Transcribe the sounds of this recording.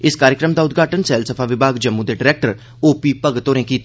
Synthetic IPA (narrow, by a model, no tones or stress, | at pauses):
ɪskaːɾɪəkɾəmd̪aːʊd̪ɡʱaːʈənsɛːlsəpʰaːʋɪbʱaːɡd͡ʒəmːũːd̪eːɖɪɾɛːk̚ʈəɾ | oːpiːpəɡt̪ːoːɾẽːkiːt̪